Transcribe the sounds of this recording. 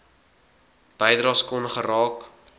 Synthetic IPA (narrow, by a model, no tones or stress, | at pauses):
b̥əjdɾɑːskɔnχərɑːk